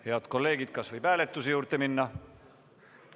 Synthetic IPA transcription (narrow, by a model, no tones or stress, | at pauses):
he̞ɑd̪̥ko̞lːe̞ːɡ̥id̪̥̚kɑsvɤjpæːlet̪ːˑusejuːɾt̪eminːɑ